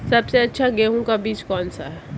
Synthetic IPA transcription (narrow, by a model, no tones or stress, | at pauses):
sɐbseɐtːʃʰaɡeːɦũkabiːt͡ʃkɔːnsa̰ɦɛː